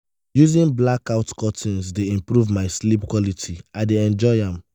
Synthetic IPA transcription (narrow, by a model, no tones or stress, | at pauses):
juzĩnblakaʊtkʰɔtʰĩnsdeĩmpɹuvmaɪslip̚kwɔlitʰiaɪdeɛ̃nd͡ʒɔɪãm